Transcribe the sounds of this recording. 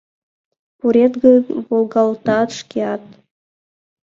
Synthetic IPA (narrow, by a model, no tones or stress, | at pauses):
puɾʲet̪ɡɤvolˠɡɑlˠt̪ɑt̪ʂkʲeɑt̪̚